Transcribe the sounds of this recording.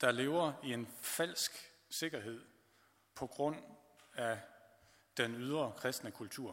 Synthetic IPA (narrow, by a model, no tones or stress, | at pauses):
d̥ɑ̈le̝ːʊɐie̝nfæl̰sɡ̥ | se̝ɡ̥ɐɦe̝ð̞̰ˠ | pʰɒ̽ɡ̥ʁɔ̽n̰ | æ | d̥enyð̞ˠʁɐkʰʁɛsd̥nəkʰult͡sʰuɐ̰